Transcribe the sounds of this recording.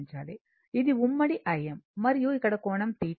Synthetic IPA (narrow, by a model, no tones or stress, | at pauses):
ɲd͡ʒa̰ːlḛː | ɪðɯʊmːɐɽiʔɐjɐmːɐɾjuːjkɐɽɐkːoːɳɐmt̪iː